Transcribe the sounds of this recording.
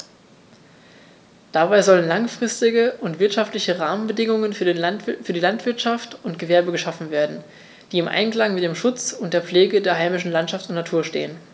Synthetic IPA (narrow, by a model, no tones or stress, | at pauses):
d̥abaɪzɔlənlaŋfʁ̥ɪstɪɡəʔʊntv̥ɪɐtʃaftlɪçəʁaːmənbədɪŋʊŋənfyːnfyːɐdiːlantv̥ɪɐtʃaftʊntɡ̥əvɛɐbəɡəʃafn̩veːɐdn̩ | d̥iːɪmʔa̰ɪnklaŋmɪt̚d̥eːmʃʊt͡sʊnt̚d̥eːɐp͡fleːɡədeːɐɦaɪmɪʃn̩lantʃaftʊntnatʰuːɐʃtḛːən